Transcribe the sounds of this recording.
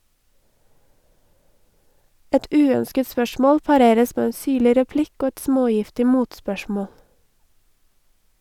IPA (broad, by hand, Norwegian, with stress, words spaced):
ˈɛt ˈʉːœnskət ˈspœʃmɔl pɑˈɾeːɾəs ˈmeː ˈeː ˈsyːɭɪ ɾɛˈplɪk ˈoː ˈɛt ˈsmoːˌjɪftɪ ˈmuːtspœˌʃmɔl